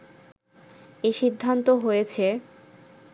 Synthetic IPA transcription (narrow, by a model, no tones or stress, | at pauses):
eʃid̪ʱːant̪oɦojet͡ɕʰe